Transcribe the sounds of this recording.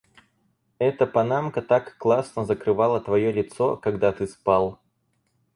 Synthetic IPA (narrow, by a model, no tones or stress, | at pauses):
ɛt̪əpɐnamkət̪akːlˠasnəzəkɾɨvalˠət̪vɐjolʲɪt̪so̞kɐɡd̪at̪ɨspalˠ